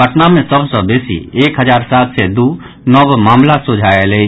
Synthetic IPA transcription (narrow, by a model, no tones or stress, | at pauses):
əʈnamẽsəbsə̃beːsḭeːkɦəd͡ʒaːɾsaːt̪sed̪u | nəbmaːmlasod͡ʒʱaele